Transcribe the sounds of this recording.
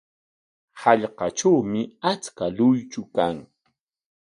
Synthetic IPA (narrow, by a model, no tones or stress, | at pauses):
hɑʎqɑʈ͡ʂawmɪat͡skalʊjt͡ʃʊkaŋ